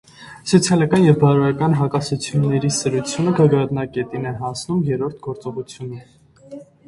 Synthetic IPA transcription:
sɔt͡sʰjɑlɑkɑnjɛvbɑɾɾɑkɑnɦɑkɑsut͡sʰjunːɛɾisəɾut͡sʰjunəɡəɡɾɑt̪nɑkɛt̪inɛɦɑnt͡sʰnumjɛɾɔɾt̪ʰɡɔɾt͡sɔʁut͡sʰjunə

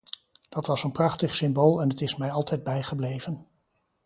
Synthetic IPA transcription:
d̥ɑtʋɑsənprɑχtəχsɪmbolˠɛnətɪsmɛjɑlˠtʰɛjd̚bɛjχəblejvən

